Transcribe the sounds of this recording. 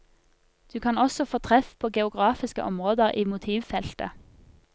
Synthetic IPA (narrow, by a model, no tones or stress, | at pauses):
d̪̥ʉːkʰɑːnɔsɔfoːt̪ʰʁɛfpʰoːɡɛʊɡʁɑːfɪskə̰ʔɔmʁoːd̪əʁʔiːmʊt̪ʰiːʋfɛlt̪ə̰